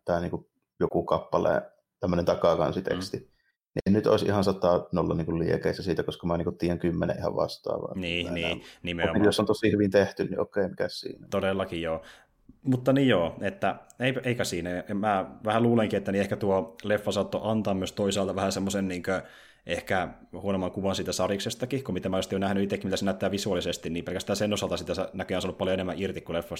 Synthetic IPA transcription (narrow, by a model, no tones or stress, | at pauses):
t̪æːniːŋku | jokukɑpːɑlḛ | t̪æmːønent̪ɑkɑkɑ̰nsit̪ḛkst̪i | niʔennyt̪ʔo̰ˑesʔḭhɑnsɑt̪ːɑnolːɑ̰niːŋkulliekeˑisːæsiːt̪ækoskɑmæniːŋkut̪t̪iːjæŋkymːenḛʔihɑ̰ʋʋɑ̰st̪ɑ̰ːʋɑ̰niːniːnimeomimjosːont̪osihyʋint̪eht̪ynnḭʔokeˑːmikæssḭːnæt̪odelːɑkijoː | mut̪ːɑnijjoːet̪ːæeieikæsiːnæjɑmæːʋæhæluːleŋkiet̪ːæniehkæt̪uolefːɑsɑt̪ːo̰ʔɑnt̪ɑːmmyøst̪oisɑːlt̪ɑʋæhæsemːosenniːŋkø | ʔehkæ | huonomːˑɑŋkuʋɑnsiːt̪æsɑriksest̪ɑkihkomit̪æmæoest̪ːjonæhnyit̪ekːimit̪æsenæyt̪ːæːʋisuɑlisest̪inniːmpelkæst̪æːnsenːosɑlt̪ɑsit̪æsɑnækøjɑnsɑnːupɑljoenemːæʔirt̪ikkulefːɑs